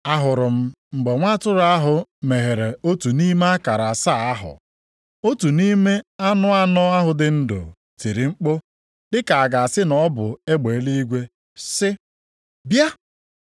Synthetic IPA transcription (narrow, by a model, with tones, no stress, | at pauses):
a˦ɦʊ˨ɾʊ˨m̩˦ | ŋ͡m̩˨ɡ͡be˨ŋʷa˦tʊ˦ɾa˦ɦʊ˨me˨ɦe˨ɾe˨o˦tu˨ni˦me˦a˦ka˨ɾa˨sa˦˨a˦ɦʊ̰˨ | o˦tu˨ni˦me˦a˦nʊ˦a˦nɔ˦a˦ɦʊ˨dɪ˨˦n̩˦do̰˨ | ti˨ɾi˨ŋ͡m̩˦k͡po˦ | dɪ˦ka˨a˨ɡa˨a˨sɪ˦nɔ˦bʊ̰˨e˦ɡ͡be˨˦li˦i˦ɡʷe˦ | sɪ˦ | bja˦